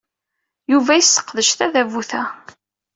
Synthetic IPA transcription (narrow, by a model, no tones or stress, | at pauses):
juvæjisːə̥qːðəʃθæðævuθæ